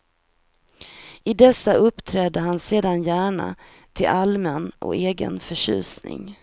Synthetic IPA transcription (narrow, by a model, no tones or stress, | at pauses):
ɪd̪ɛsːaʔɵpːt̪ʰɾɛːd̪əɦanseːd̪anjæːɳa̰ | t̪ʰɪlʔalmənɔ̰eːɡə̰nfœʂʉ̟̰ːsnɪ̰ŋ